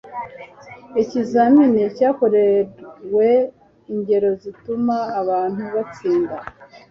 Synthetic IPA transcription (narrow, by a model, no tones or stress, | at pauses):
ecizaminecaːko̞ɾewe | iɲɟe̞ɾo̞zitumaːβaːn̥huβat͡siːnda